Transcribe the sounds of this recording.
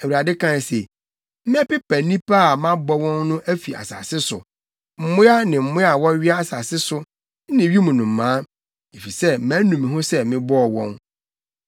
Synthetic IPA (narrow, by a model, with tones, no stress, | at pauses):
æ˨wu˨ɾa˨dɪ˦kʰã˦n˨se˨ | m̩˦mɪ̃˦ɛ˦pɪ˦pʰæ˨nĩ˦pa˦˨mã˦bɔ˦wɔ̃˦nnʊ̃˦ʔæ˦fi˨a̰˨sa̰˨sɪ˦sʊ̰˨ | m̩˦˨mʊ̃˦a˦nɪ̃˨m̩˨mʊ̃˦a˨wɔ˦ɥɪ˦a˦a˨sa˨sɪ˦sʊ˦ | nɪ̃˨ɥi˦mũ˨nʊ̃˨m̩˨mãː˦ | e˨fi˨sɛ˦mæ̃˨˦nũ˨mĩ˨ɦʊ̃˦sɛ˦mɪ̃˦bɔ˦ɔ˨wɔ̃˦n